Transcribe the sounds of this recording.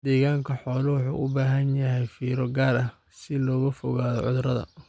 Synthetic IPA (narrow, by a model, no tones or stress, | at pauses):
d̪ɛːɣaːŋkʰɐħɔːlɐwʊħṵːʔʊbaːɦɐnjɐɦɛjfiːɾɔɡaːɾɐ | sɪlɔːɣɐfɔɣaːðɔ̰ʕʊðrɐðɐ̰